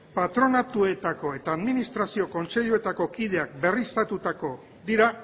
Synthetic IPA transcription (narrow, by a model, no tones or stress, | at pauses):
pat̪ɾo̞nat̪ue̞t̪ako̞e̞t̪aːðminist̪ɾasio̞ko̞nt͡se̞ʎue̞t̪ako̞kið̞e̞ak̚be̞rist̪at̪ut̪ako̞ | d̪iɾa